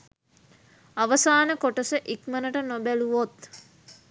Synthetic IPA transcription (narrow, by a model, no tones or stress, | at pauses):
aʋəsaːnəkoʈəsəʔikmənəʈənobæluʋot̪